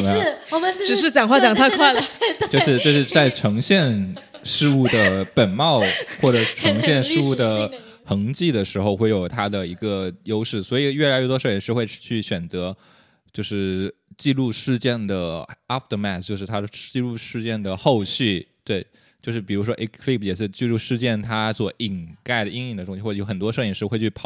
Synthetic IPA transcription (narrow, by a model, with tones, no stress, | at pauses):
ma˥˩ʈ͡ʂɻ̩˨˩ʂɻ̩˥˩t͡ɕjɑ˨˩ŋxwa˥˩t͡ɕjɑ˨˩ŋt̪ʰa˥kʰwa˥˩ɪlə˩t͡ɕjo˥˧ʊʂɻ̩˥˧ʈ͡ʂɤ˥˧ʂɻ̩˥˧t͡sa˥˩ɪʈ͡ʂʰɤ˧˥ŋɕjɛ˥˧nʂɻ̩˥˧u˥˩d̪ə˩pə˨˩nmɑ˥˧ʊxwɔ˥˩ʈ͡ʂɤ˨˩ʂ̩˥˩ʈ͡ʂʰɤ˧˥ŋɕjɛ˥˧nʂɻ̩˥˧u˥˩d̪ə˩ | xɤ˧˥ŋt͡ɕi˥˩d̪ə˩ʂɻ̩˧˥xo˧ʊxwe˥˩ɪjo˨˩ʊt̪ʰa˥d̪ə˨i˧˥ɡə˧jo˥ʊʂɻ̩˥˩swɔ˧˥i˨˩ɥɛ˥˩la˧˥ɪɥɛ˥˩t̪wɔ˥ʂɛ˧˥nʂɻ̩˥˧xwe˥˧ɪ˥˩t͡ɕʰy˥˩ɕɥɛ˨˩nt͡sɤ˧˥ | t͡ɕjo˥˧ʊʂɻ̩˥˩t͡ɕi˥˧lu˥˧ʂɻ̩˥˧t͡ɕjɛ˥˩nd̪ə˩a˥ft̪ə˧˩mæ˥˩t̪t͡ɕjo˥˧ʊʂɻ̩ʰ˥˩a˥d̪ə˨˩t͡ɕi˥˧lu˥˧ʂɻ̩˥˧t͡ɕjɛ˥˩nd̪ə˩xo˥˧ʊɕy˥˩t̪we˥˩ɪ | t͡ɕjo˥˧ʂɻ̩˥˩pi˨˩ɻu˧˥ʂ̬wɔ˥ʔi˥kʰli˥˩p̚ʰjɛ˨˩ʂɻ̩˥˧t͡ɕi˥˧lu˥˧ʂɻ̩˥˧t͡ɕjɛ˥˩nt̪ʰa˥swɔ˨˩ʔi˨˩ŋka˥˩ɪd̪ə˩i˥ŋi˥˩ŋd̪ə˩t̪ʊ˥ɕi˧˥wɔ˥˩˧o˧˥ʊə˨˩nt̪wɔ˥ʂ̩˥˧i˧˨˩ʂ̩˥˧˥xwe˥˧˩t͡ɕʰy˥˩pʰɑ˨˩˦